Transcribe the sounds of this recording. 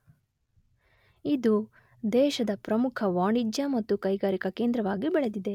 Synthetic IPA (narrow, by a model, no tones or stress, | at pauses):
id̪u | d̪ɛːʃɐd̪ɐpɾɐmukʰɐʋaːɳid͡ʒjɐmɐt̪ːukɐjɡaːɾikɐke̞ːnd̪ɾɐʋaːɡibɛɭed̪id̪e̞